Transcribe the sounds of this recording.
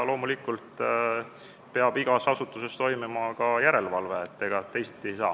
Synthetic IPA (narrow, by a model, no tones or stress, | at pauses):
lo̞ːmulikːˑult̪ | peɑb̥iɡ̥ɑsɑsut̪ːˑuse̞st̪o̞jmimɑkɑjæɾe̞lvɑlve̞ːt̪ːe̞ɡ̥ɑt̪ːe̞jsit̪ːˑejsɑː